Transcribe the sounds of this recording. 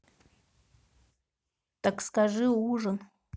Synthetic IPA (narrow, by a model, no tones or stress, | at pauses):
t̪akskaʐɨuʐɨn